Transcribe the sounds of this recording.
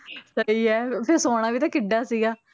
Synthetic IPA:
səiːɛːpʰɪɾsoːɽ̃ãːʋiːt̪ãːkɪɖːaːsiːɡaː

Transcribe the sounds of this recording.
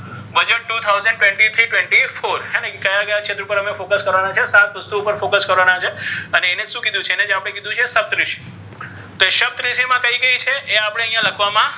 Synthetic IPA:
ʋəd͡ʒəʈut̪ʰawzəɳɖ̚ʈwẽɳʈit̪ʰɾiʈweɳʈifoɾɦɛnekəjaɡəjat͡ʃʰet̪əɾupəɾəmefokəskəɾʋanat͡ʃʰesat̪ʋəst̪uːpəɾfokəskəɾʋanat͡ʃʰeəneːned͡ʒʃũkid̪ũt͡ʃʰeened͡ʒapɽ̃ekid̪ʱũt͡ʃʰeːsəb̚t̪ɾiʃi̥ | t̪oeʃəb̚t̪ɾiʃimãkəiɡəit͡ʃʰeʔeapəɽ̃eəɦjãləkʰʋamã

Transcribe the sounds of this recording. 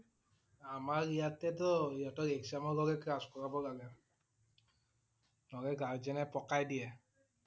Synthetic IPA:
amaɹijatɛtɔiatɔkeksamɔlɔɡɛkɹaskɔɹabɔlaɡɛ | lɔɡɛɡaɹzɛnɛpɔkajdijɛ

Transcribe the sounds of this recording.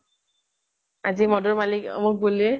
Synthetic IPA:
azimɔdɔɹmalikmʊk̚bole

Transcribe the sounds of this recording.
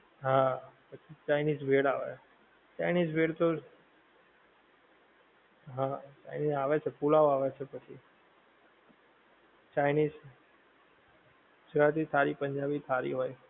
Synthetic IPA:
ɦãpət͡ʃʰit͡ʃajniːzbʱeɽaʋḛ | t͡ʃajniːzbʱeɽt̪o | ɦãt͡ʃa̰jniːzaʋet͡ʃʰepulaʋaʋet͡ʃʰepət͡ʃʰḭ | t͡ʃajniːz | ɡʊd͡ʒɾat̪it̪ʰaɾipəɲd͡ʒabit̪ʰaɾḭɦoːj

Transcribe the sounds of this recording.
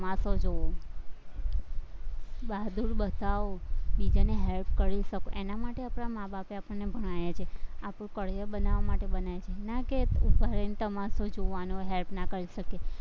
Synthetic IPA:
əmasod͡ʒoo | bad̪uɾbət̪aʋobid͡ʒaneɦelpkəɾiʃəkoʔenamaʈeapɽ̃amabapeapəɳnebʱəɽ̃ajet͡ʃʰeapɽũkəɽ̤jəbənaʋamaʈebənajet͡ʃʰenakeubʱaɾent̪əmasod͡ʒoʋanoɦelpnakəɾiʃəke

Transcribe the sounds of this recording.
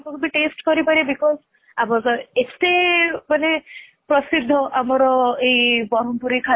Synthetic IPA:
kɔkbiʈesʈkɔɾipaɾibikɔz | abɔkɔest̪emane | pɾɔsid̪ʱːɔʔamɔɾɔejbɔɾɔmpuɾikʰa

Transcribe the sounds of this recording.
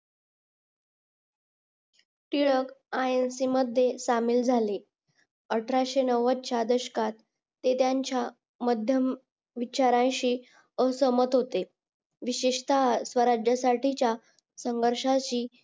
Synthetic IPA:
ʈ̪iɭəkajensiːməd̪ʱjesamiːld͡zʱali | əʈʰɾaɕenəʋət̪̚t͡ɕjad̪əɕkat̪ː | et̪jaɲt͡ɕja | məd̪ʱjəm | ʋit͡ɕaɾãjɕiː | əsəmət̪ɦot̪e | ʋiɕiʂt̪asʋəɾad͡ʑjəsaʈʰit͡ɕja | səŋɡəɾʂaɕiː

